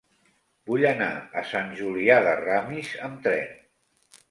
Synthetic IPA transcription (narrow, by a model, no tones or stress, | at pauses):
buʎəna̰əsanʲʒuliaðəramizəmt̪ɾɛn